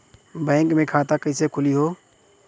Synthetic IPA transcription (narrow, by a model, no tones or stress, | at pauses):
bɛ̃ːŋkmẽkʰaːt̪akəisekʰʊliɦoː